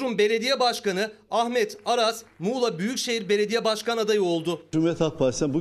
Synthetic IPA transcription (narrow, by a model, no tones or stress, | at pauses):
ɾumbe̞lʲe̞d̪ijɛbaʃkanɯahmɛt̪aɾasmuːlˠabyjycʃejiɾbe̞lʲe̞d̪ijɛbaʃkanad̪ajɯo̞lˠd̪ʊumɛt̪ʰhak̚past̪ɛnbu